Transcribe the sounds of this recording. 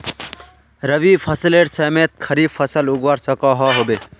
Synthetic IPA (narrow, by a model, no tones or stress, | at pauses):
ɾəʋipʰəsileʈsəmet̪̚kʰəɾipʰəsəluɡwaɾsəkɔɦɔɦobe